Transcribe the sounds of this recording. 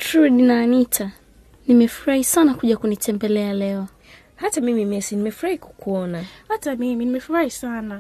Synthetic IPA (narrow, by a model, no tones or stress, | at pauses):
tɾuninanitʰa | nimɛfuɾahisanakuʄakunitʰɛmbɛlɛalɛɔ | hatamimimɛsinimɛfuɾahiku̥kuɔnahatamiminimɛfuɾahisana